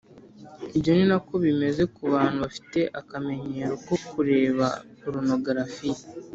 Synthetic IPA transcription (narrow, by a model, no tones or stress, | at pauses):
ibɟo̞ninako̞βime̞ze̞kuβaːn̥huβafi̥te̞ʔakame̞ɲe̞ːɾo̞ko̞kuɾe̞ːβaoɾono̞ɡaɾafije